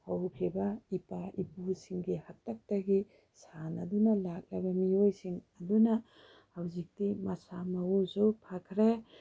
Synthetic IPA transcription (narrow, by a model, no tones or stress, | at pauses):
hawkʰibɐipaʔipusiŋɡihatːak̚tɐɡi | sanɐdunɐlak̚lɐbɐmiojsiŋɐdunɐ | hawzik̚timasamɐusupʰakʰɾe